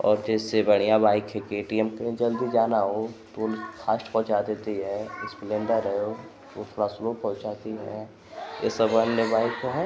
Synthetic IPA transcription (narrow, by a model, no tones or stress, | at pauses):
ɔ̰ːɾd͡ʒɛːsebɐɽ̤̃ijabaːɪkɦɛkeːʈiɛmked͡ʒɐld̪id͡ʒaːnaɦot̪oːlxʰaːsʈpɔ̃ɦt͡ʃad̪eːt̪iɦɛɪsplẽːɳɖəɾɛo | ʋot̪ʰoːɾasʊlopɔ̃ɦt͡ʃaːt̪iɦɛ̰ | jḛsɐbənjəbaːɪkːoɦɛː